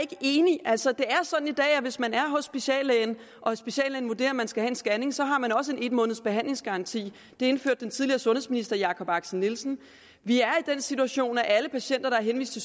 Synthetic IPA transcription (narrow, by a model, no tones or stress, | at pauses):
e̝ɡ̥əʔe̝ːniʔæl̰sɒ̽d̥e̝æɐsɒ̽d̥n̩id̥ɛ̰ːæʋe̝smænæɐɦɔ̽sːb̥eɕɛ̰ːlɛn | ʔɒ̽sb̥eɕɛ̰ːlɛːnʋude̝̰ːɐmænsɡ̥æhɛe̝nsɡ̥æne̝ŋsɒ̽ɦɑ̈mænɒ̽s̬əe̝ne̝d̥mɔ̽ːnð̞̩ˠsb̥e̝ɦæn̰le̝ŋsɡ̥ɑ̈ʁɑ̈nt͡sʰḭː | d̥e̝e̝nføɐ̰d̥ːent͡sʰiðˠliɐsɔ̽nhe̝sminisd̥ɐjɑ̈ːkʰɒ̽b̥ɑ̈ɡ̥sənːilsn̩ | ʋiæɐid̥ensit͡sʰuæɕo̝̰ːnæʔæləpʰæɕen̰d̥ɐɾ̥ɑ̈æɐɦenʋḭsd̥t͡sʰe̝l